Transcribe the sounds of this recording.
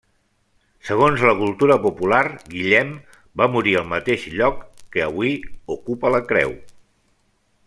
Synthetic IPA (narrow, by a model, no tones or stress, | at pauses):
səɣ̞onzləkulˠt̪uɾəpupularɡiʎɛm | bamuɾiəlˠmət̪eʃʎɔkːəəβwiukupələkɾɛ̰w